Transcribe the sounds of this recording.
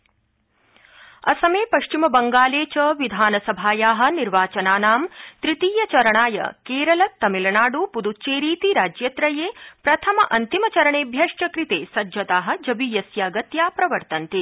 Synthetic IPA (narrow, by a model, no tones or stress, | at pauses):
ɐsɐmeːpɐʃt͡ʃimɐbɐŋɡaːleːt͡ʃɐʋid̪ʱaːnɐsɐbʱaːjaːɦɐ̆niɾʋaːt͡ʃɐnaːnaːmt̪ɾit̪iːjɐt͡ʃɐɾɐɳaːjɐ̰keːɾɐlɐt̪ɐmilɐnaːɖupud̪ut͡ʃeːɾiːt̪iɾaːd͡ʒjɐt̪ɾɐjeːpɾɐt̪ʰɐmɐʔɐnt̪imɐt͡ʃɐɾɐɳeːbʱjɐʂʈɐkɾit̪eːsɐd͡ʒɐt̪aːɦɐ̆d͡ʒɐbiːjɐsjaːɡɐt̪jaːpɾɐʋɐɾt̪ɐnt̪i